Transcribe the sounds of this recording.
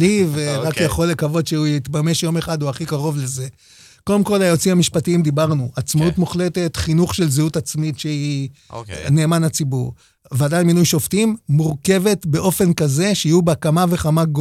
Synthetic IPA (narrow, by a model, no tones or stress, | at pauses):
liveʁakjaχo̞lːe̞kavo̞dʃeujit̪bame̞ʃjo̞me̞χad̪uaχikaʁo̞vleze̞ | ko̞demko̞lajo̞t͡simamiʃpatiimd̪ibaʁnuat͡smautmuχle̞te̞tχinuχʃe̞lzeutat͡smitʃei | ne̞ːmanat͡sibuʁ | vadalminujʃo̞ftimːuʁke̞ve̞tbe̞ʔo̞fe̞nkaze̞ʃeijubeakamave̞χamaɡo